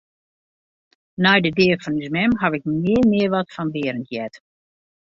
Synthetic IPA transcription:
nɛjdədeːrfɔnyzmɛmɦɑʋɪk̚mɪəmɪərʋɔtfɔnʋɪəɾəntjɛt

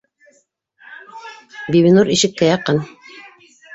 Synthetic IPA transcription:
biβʲinuɾiʃɘ̆kːæjɑqɤn

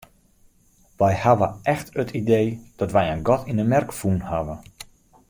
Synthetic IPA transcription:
ʋɛjhaʋəʔɛxtətʰidejd̥ɔtʋɛjənɡɔtʰinəmɛrkfunhaʋə

